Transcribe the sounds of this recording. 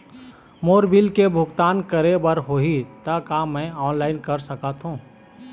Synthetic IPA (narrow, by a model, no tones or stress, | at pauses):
moːɾbilkebʱʊɡt̪aːnkɐɾebəɾɦoːɦit̪akaːmːɛ̃ɔːnlaːɪnkɐɾsɐkət̪ɦũː